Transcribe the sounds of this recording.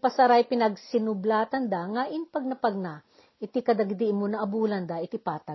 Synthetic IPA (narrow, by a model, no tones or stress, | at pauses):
pɐsɐɾajpɪnɐɡsɪnʊblaːt̪ɐnd̪aŋaʔɪnpɐɡ̚nɐpɐɡ̚na | ʔɪt̪ikɐd̪ɐɡd̪imonɐʔɐbuːlɐnd̪aʔɪt̪ipaːt̪a